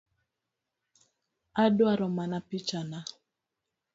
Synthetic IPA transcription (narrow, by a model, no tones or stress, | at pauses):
adwaɾɔmanapit͡ʃana